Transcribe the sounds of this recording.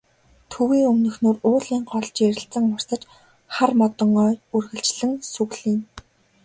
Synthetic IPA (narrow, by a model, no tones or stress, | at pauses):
t̪ʰɵwiːɵmnɵ̆xnuːrʊːɮiːŋɢɔɮt͡ɕeɾʲɪ̆ɬt͡sə̆ŋʊr̥sə̆t͡ɕ | χarmɔt̪ɞ̆ŋɔːurɣɘ̆ɬt͡ɕɮɘ̆ŋsuɣɮiːn